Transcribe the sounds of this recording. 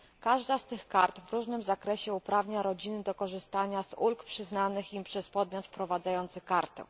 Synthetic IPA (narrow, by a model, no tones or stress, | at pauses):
kaʐd̪ast̪ɘxkaɾt̪vɾuʐnɘmzakɾɛɕɛupɾavɲaɾɔd͡ʑinɘd̪ɔkɔʐɘst̪aɲazulkpʂɘznanɘximpʂɛspɔd̪mʲjɔt̪fpɾɔvad̪zajɔnt̪sɘkaɾt̪ɛ̰